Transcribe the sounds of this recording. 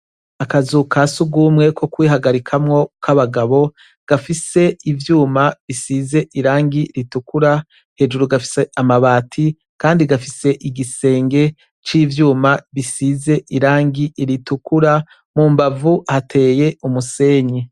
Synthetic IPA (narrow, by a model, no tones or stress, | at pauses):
akazukʰasuɡumŋe̞kʰo̞kwiːɦaɡaɾikʰamŋo̞kʰaβaɡaβo̞ | ɡ̥afise̞ivjuːmaβisize̞ʔiɾaːŋɡiɾitukuɾa | he̞ːʒuɾuɡafi̥seamaβaːtʰi | kaːndiɡafise̞ʔiɡise̞ːŋɡe̞ | t͡ʃiːvjuːmaβisize̞ʔiɾaːŋɡiʔiɾitukuɾa | muːmbavuhatʰe̞ːje̞umuse̞ːɲi